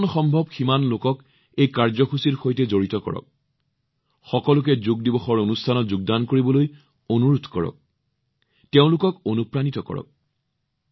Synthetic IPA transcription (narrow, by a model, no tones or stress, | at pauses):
nxɔmbʱɔbximanlokɔk | ejkaɹzɔxusiɹxojtɛzoɹitɔkɔ̰ɹɔ̰k̚ | xɔkɔlʊkɛzuɡ̚dibɔxɔɹonustʰanɔtzuɡ̚dankoɹibɔloj | onuɹudʱkɔɹɔ̰k̚ | teʊ̃lʊkɔkonupɹanitɔkɔ̰ɹɔ̰k̚